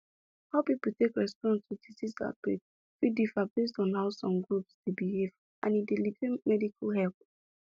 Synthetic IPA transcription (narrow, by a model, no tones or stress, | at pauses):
haʊpipl̩tekɹɛspɔ̃nstʰudisisa̰t̚b̥ḛ | fidifãbes̬tɔ̃nɦaʊsɔ̃mɡɹupsd̥ebiɦev | ã̰nidelivemɛdikʰalɦɛlp̚